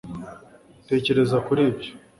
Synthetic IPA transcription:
te̞ːce̞ɾe̞zakuɾibjo

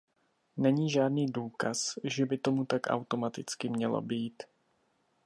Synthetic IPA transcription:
nɛɲiːʒaːdniːduːkasʒɛbɪt̪o̞mut̪akʔa̰wt̪o̞mat̪ɪt͡skɪmɲɛlo̰biːt̪

